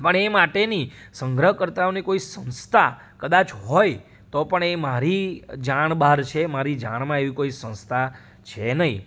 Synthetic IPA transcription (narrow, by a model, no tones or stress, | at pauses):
pəɳemaʈenisə̃ŋɡɾəɦkəɾt̪aonikoisə̃nst̪ʰa | kəd̪at͡ʃʰɦɔj | t̪opəɳemaɾid͡ʒaɳ̃baɾt͡ʃʰemaɾid͡ʒa̰ɽ̃mãeʋikoisə̃nst̪ʰa | t͡ʃʰenəɦĩ